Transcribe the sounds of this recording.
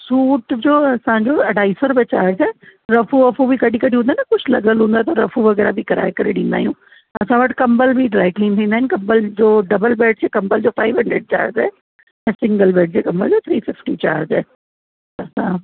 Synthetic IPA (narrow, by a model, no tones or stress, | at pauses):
suːʈd͡ʑoːɐsãɲd͡ʑoɐɖʱaːisɔɾbet͡ɕaːɾzɛːɾɐfuɐfubʱikɐɗʱikɐɽʱiɦũnd̪aɦːnɐkʊd͡ʑʰlɐɡəlɦũːnd̪aet̪ɐɾɐfuʋɐɣɛːɾabʱikɐɾa̰ːekɐɾeɗĩːnd̪aːijũː | ɐsãʋɐʈkɐ̃mbəlbʱiɖɾaːɪkliːnt̪ʰĩːnd̪aːɦɪnɪkɐmbəld͡ʑoːɖɐbəlbeːɖ̚d͡ʑeːkɐ̃mbəld͡ʑoːfaːiʋɦɐ̃ɳɖɾəɖ̚t͡ɕa̰ːɾzɛː | ɛ̃ːsɪ̃ŋɡəlbeːɖ̚d͡ʑekɐ̃mbəld͡ʑoːt̪ʰɾiːfɪfʈit͡ɕa̰ːɾzɛː | ɐsã